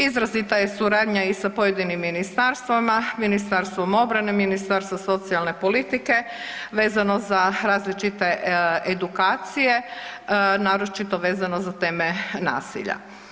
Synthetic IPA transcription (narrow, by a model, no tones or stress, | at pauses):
izɾazit̪ajesuɾaːd̪ɲaisapojed̪inimːinist̪aɾst̪ʋamaminist̪aɾst̪ʋomo̞bɾaneminist̪aɾst̪ʋaso̞t̪sialˠne̞po̞lit̪ike̞ | ʋeːzanozaɾaːzlit͡ʃit̪e̞ed̪ukaːt̪sije̞ | naːɾo̞t͡ʃit̪o̞ʋe̞ːzanozat̪e̞ːmena̰ːsḭʎa̰